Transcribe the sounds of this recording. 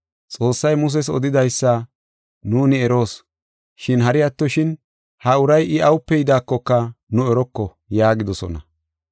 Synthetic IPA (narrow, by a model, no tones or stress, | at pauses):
t͡sʼo̞ːsːɐjmʊs̬ɛs̬ɔ̰d̪ɪd̪ɐjsːɐ | nuːnɪɛɾo̞ːs | ʃɪnɦɐɾɪjɐt̪ːɔʃɪn | hɐʊɾɐjʔɪɐwʊpːɛjɪd̪aːkːɔkːɐnʊɛɾɔkːɔ | jaːɡɪd̪ɔsɔ̰nɐ